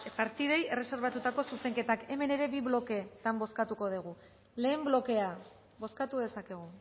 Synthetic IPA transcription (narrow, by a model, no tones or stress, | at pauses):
paɾt̪iðe̞je̞re̞se̞ɾβat̪ut̪ako̞suse̞ŋke̞t̪ake̞me̞ne̞ɾe̞biβlo̞ke̞t̪ambo̞skat̪uko̞ðiɣ̞u | le̞ːmblo̞ke̞a | bo̞skat̪uðe̞sake̞ɣ̞u